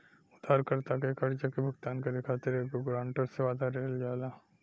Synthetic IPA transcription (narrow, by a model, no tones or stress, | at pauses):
ʊd̪ʱaːɾkɐɾt̪akekɐɾd͡ʒakebʱʊɡt̪aːnkeɾekʰaːt̪eɾekoɡɾãːɳʈəɾseʋaːd̪ʱaɾeːld͡ʒaːlaː